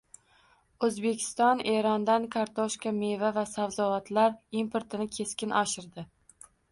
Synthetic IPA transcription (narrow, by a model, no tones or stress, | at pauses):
ɵzbe̞kʲʰɪ̥st̪ɒne̞ɾɒnd̪ankʰaɾt̪ʰɒʃkʲame̞vavasawzɒvat̪ʰlaɾimpʰoɾt̪ʰɪnɪkʲʰe̞skʲɪnʔɒʃɪɾd̪ɪ